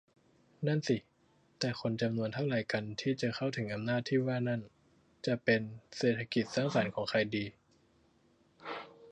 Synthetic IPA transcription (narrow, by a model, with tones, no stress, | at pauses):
na˥˩nsi˨˩ | t̪ɛː˨˩kʰo˧nt͡ɕa˧mnu˧ənt̪ʰa˥˩laː˨˩˦jka˧nt̪ʰiː˥˩t͡ɕa˨˩kʰa˥˩wt̪ʰɯ˩˦ŋʔa˧mnaː˥˩t̪ʰːiː˥˩waː˥˩na˥˩n | t͡ɕa˨˩pe˧nseː˨˩t̪ʰːa˧ki˨˩t̪̚saː˥˩ŋsa˩˦nkʰɔː˩˦ŋkʰa˧jdiː˧